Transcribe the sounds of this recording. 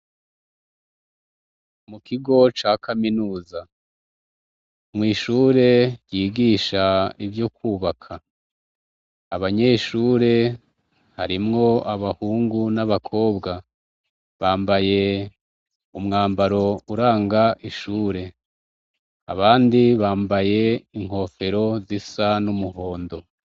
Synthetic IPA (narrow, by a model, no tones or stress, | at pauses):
mukʰiɡo̞t͡ʃaːkʰaminuːza | mŋiːʃuːɾe̞ɾjiːɡiːʃaivjokuːβakʰa | βaɲe̞ʃuːɾe̞ | haɾimŋo̞aβahuːŋɡunaβakʰo̞ːbɡa | βaːmbaje̞ | umŋaːmbaɾo̞uɾaːŋɡaʔiʃuːɾe̞ | a̰βaːndiβaːmbaje̞iŋ̥ho̞ːfe̞ɾo̞zisanumuho̞ːndo̞